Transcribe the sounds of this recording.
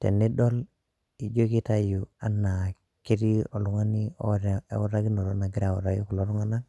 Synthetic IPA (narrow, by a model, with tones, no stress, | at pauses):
tɛ̰˨ni˦dɔ˦l | i˨d͡ʒo˦ki˦ta˦ju˨a˦nːa˨ | ki˦ɾi˦o˨lu˨˦ŋa˦ni˦o̰˦ɾ̰u˦ɾa˦ɡi˦no˨ɾɔ˦na˨ɡi˦ɾa˨wu˨ɾa˦ɡi˦ku˨lo˨˦ɾu˦ŋa˦na˦